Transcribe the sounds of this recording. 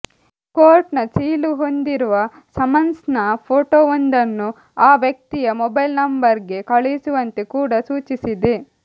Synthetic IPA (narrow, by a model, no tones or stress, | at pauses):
koːɾʈnɐt͡ʃiːluɦo̞nd̪iɾuʋɐ | sɐmɐnsnɐpʰoːʈoond̪ɐnːu | aːʋjɐk̚t̪ijɐmɔbɐjlnɐmbɐɾɡe̞kɐɭejsuʋɐnt̪e̞kuːɽɐsuːt͡ʃisid̪e